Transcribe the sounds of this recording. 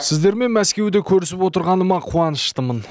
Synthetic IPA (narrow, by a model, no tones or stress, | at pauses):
sɪzd̪e̞ɾme̞nmæskʲe̞wd̪ekʲʰɵɾɪsɪpwo̞t̪əɾʁɑnəmɑqʰuɑnəʃt̪əmən